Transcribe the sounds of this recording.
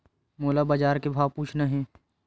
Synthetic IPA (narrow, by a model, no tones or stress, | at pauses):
moːlabad͡ʒaːɾkebʱaːʋpuːt͡ʃʰnaɦɛ̃ː